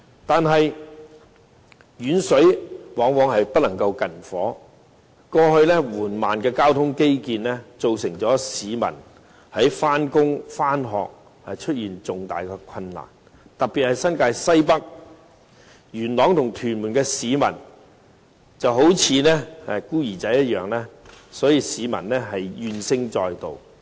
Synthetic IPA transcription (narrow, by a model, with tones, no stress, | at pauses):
t̪aː˨nɦɐ˨j | jyː˨nsɵ˨˥ɥwɔː˨˥ŋwɔː˨˧˥ŋɦɐ˨jpɐ˥t̚lɐ˨˩ŋkɐ˧wkɐ˨˩nfɔ̰ː˨˥ | kɔː˧hɵ˧ɥlɛː˥wuː˨˩nmaː˨˩nkɛː˧kaː˥wt̪ʰʊ˥ŋke˥jkiː˨nlɛː˥t͡so˨wsɪ˨˩ŋt͡sɔː˨˥siː˨˧mɐ̰˨˩n | hɐ˨˥jfaː˥nkʊ˥ŋfaː˥nɦɔ̰ː˨k̚ | hɐ˨jt͡ʃʰɵ˥t̚jiː˨nt͡sʊ˨ŋt̪a̰ː˨jkɛː˧kʰɐ˧nːa̰ː˨˩n | t̪ɐ˨k̚piː˨t̚hɐ˨˩jsɐ˥nkaː˧jsɐ˥jpɐ˥k̚ | jyː˨˩nlɔː˨˥ŋt̪ʰʊ˨˩ŋt̪ʰyː˨˩nmuː˨˩nkɛː˧siː˨˧mɐ̰˨˩n | t͡sɐ˨wɦo˨˥wt͡sʰiː˨˧nɛ˥˨˧kuː˥jiː˨˩t͡sɐ˨˥jːɐ˥t̚jœː˨ŋlɛː˥sɔː˨˥jiː˨˧siː˨˧mɐ̰˨˩nlɛ˥ɦɐ˨jjyː˨˧nsɪ˥ŋt͡sɔː˧jt̪o̰˨w